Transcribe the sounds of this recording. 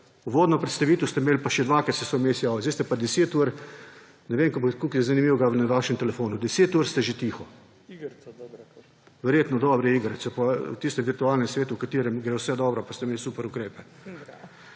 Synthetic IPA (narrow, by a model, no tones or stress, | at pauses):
uʋoːd̪nɔpɾɛt̪st̪aʋiːt̪ɔst̪ɛmeːlpaʃɛd̪ʋakat̪sɛsɔmeːsjaːʋɛzest̪ɛpad̪ɛseːt̪uɾ | nɛʋeːmkobot̪kuːkzanimiwɡaʋnɛʋaʃɛmt̪ɛlɛfoːnud̪ɛseːt̪uɾst̪ɛʒet̪iːxɔ | ʋɛɾjeːt̪nɔd̪ɔbɾɛiːɡɾat̪sɛpawt̪ist̪ɛmʋiɾt̪uaːlnɛmsʋeːt̪uwkat̪iːɾɛmɡɾɛwsɛd̪ɔːbɾɔpast̪ɛmeːlsuːpɛɾukɾeːpɛ